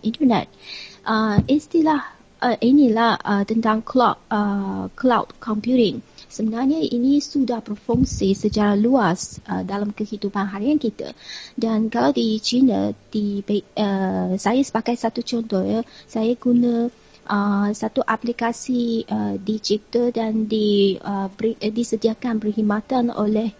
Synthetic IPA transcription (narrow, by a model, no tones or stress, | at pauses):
int̪ənɛ̰t̪̚ʔəist̪ilah | ʔəʔinilahət̪ənt̪aŋkʰlɔəklawt̚kʰɔmpjuɾɪ̃ŋsəmənarɲəʔḭnĩsudahbərfɔŋsisət͡ʃaɾaluasə̰dalamkəhidupanɦaɾiankit̪a̰dankalawdit͡ʃinə̰d̥ibəsajasə̥pakajsat̪ut͡ʃɔnt̪ɔhjasajaɡunə̃ | ʔəsat̪uʔaplikasiədit͡ʃip̚t̪ədandiəbidisədiakanbərhimat̪ano̰lɛh